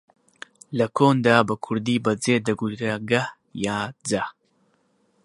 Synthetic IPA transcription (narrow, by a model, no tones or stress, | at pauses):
lɐkʰoːnd̪aːbɐkʰʊɾd̪iːbɐd͡zeːd̪ɐɡutaɡah | jaːd͡za